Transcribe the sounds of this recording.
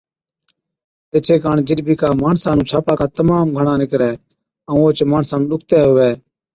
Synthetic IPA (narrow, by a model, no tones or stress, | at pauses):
eːt͡ʃʰeːkaːɳd͡ʒɪɗbiːkaːmaːɳsãːnũːt͡ʃʰaːpaːkaːt̪əmaːmɡʱəɳãːnɪkɾɛː | ə̃ːoːt͡ʃmaːɳsãːnũːɗʊkʰt̪ɛːɦʊʋɛː